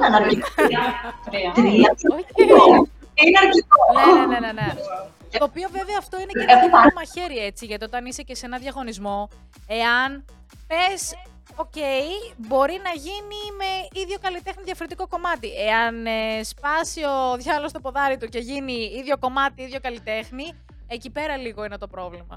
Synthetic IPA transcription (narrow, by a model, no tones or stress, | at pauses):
ɐnɐɾi | ɾt̪ɾiɐo | inɐɾkikoneenenene | t̪o̞ːpio̞ve̞veɐːft̪o̞ineɐtoomɐçe̞ɾie̞t͡siʝɐt̪io̞t̪ɐnisece̞se̞nɐðʝɐɣo̞nizmo̞ | e̞ɐn | pe̞s | o̞ceibo̞ɾinɐʝinime̞iðʝo̞kɐlit̪e̞xniðjʝɐfo̞ɾit̪iko̞ko̞mɐt̪iʔe̞ɐnespɐsio̞ðʝɐlo̞st̪o̞po̞ðɐɾit̪uce̞ʝiniiðʝo̞ko̞mɐt̪iiðʝo̞kɐlit̪e̞xni | ecipe̞ɾɐliɣoinet̪o̞pɾo̞vlimɐ̰